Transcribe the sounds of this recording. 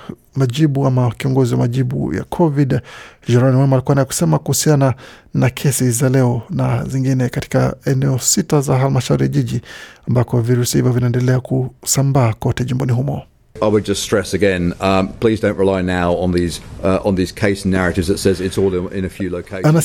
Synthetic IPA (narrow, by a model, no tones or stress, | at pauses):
maʄiɓuamakiɔŋɡɔziwamaʄiɓṵja̰kʰɔvidʒɛɾanwamalikuanajɛku̥sɛmakuhusiana | nakʰɛsizalɛɔnaziŋɡinɛkati̥ka̰ɛnɛɔsitazaɦalimaʃauɾijaʄiʄiambakɔviɾusihivɔvinaɛndɛlɛakusambaːkɔtɛʄimbɔniɦumɔ | aɪwɪd̚d͡ʒʌststɹ̥ɛsəɡɛ̃nʌpʰl̥iːzdə̃ʊ̃nʔɹɪlaɪnaʊə̃nðizʌʔə̃nðiːz̥kʰeɪsn̩ːæɹɨtɪvzðətsɛzɪtsɔːlˠɪ̰̃nəfjʉləʊkʰeɪana